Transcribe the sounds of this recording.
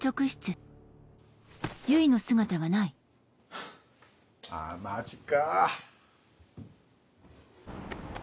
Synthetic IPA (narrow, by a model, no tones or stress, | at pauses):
t͡ɕo̞kɯ̟ɕi̥t͡sɨ | jɯino̞sɨɡat̪aɡanai | a̰mat͡ɕika